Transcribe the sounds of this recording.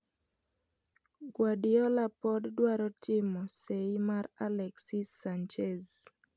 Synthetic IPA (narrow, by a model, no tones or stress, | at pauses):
ɡwadɪɔlapɔddwaɾɔtɪmɔseimaɾalɛksisant͡ʃez